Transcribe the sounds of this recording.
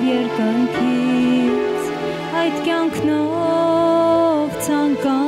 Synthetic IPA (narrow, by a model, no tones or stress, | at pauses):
jɛɾkənkʰi | t͡s | ɑjt̪kʲjɑŋkʰnɔ | vt͡sʰɑŋkɑ